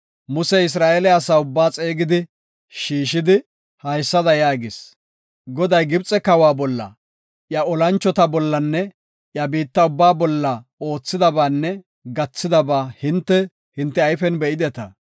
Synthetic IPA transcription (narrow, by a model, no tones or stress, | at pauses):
mʊsɛɪs̬ɾaːʔeːlɛɐsaːʊbːaːt͡sʼeːɡɪd̪ɪ | ʃiːʃɪd̪ɪ | hɐjsːɐd̪ɐjaːɡɪs | ɡɔd̪ɐjɡɪbt͡sʼɛkɐwaːbɔlːɐ̰ | ʔjɐɔlɐnt͡ʃːɔt̪ɐbɔlːɐnːɛ | ʔjɐbiːt̪ːɐʊbːaːbɔlːɐo̞ːt͡sːɪd̪ɐbaːnːɛ | ɡɐt͡sːɪd̪ɐbaːhɪnt̪ːɛ | hɪnt̪ːɛɐjfɛnbɛʔɪd̪ɛt̪ɐ